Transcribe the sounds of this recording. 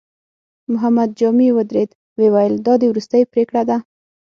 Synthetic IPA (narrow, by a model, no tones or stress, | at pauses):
mʊɦamad̪̚d͡ʒɑmiwʊd̪ɾed̪ | wewajəld̪ɑd̪əwɾust̪əjpɾekɽad̪a